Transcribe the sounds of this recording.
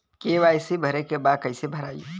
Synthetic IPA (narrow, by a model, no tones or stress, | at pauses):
keʋaːjsebʱəɾekebaːd̪̚kəɪsebʱəɾaːjo̰